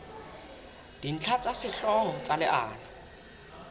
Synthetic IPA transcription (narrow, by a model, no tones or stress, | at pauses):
d̥in̩t͡ɬʰat͡sʼasɪɬɔɔt͡sʼalɪʔaːlɪ